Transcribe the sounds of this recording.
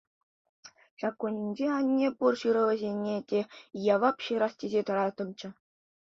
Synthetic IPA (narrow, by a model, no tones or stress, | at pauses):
ɕɑkːonʲːinʲd͡ʑeɑnʲːepurɕɯɾɤ̆lʲɤ̆zʲenʲːetʲejɑʋɑpɕɯɾɑstʲezʲet̪ɤ̆ɾɑt̪ɤ̆mʲt͡ɕɘ̆